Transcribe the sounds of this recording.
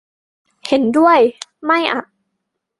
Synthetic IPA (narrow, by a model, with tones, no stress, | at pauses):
he˨˩˦ndu˥˩əjma˥˩jʔa̰˨˧˩ʔ